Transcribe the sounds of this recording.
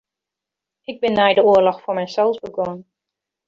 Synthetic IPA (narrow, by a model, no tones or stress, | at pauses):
ʔɪɡ̚bɪnːɛjdəʊərlɔxfoːɹmɛjsɛlˠzbəɡɔən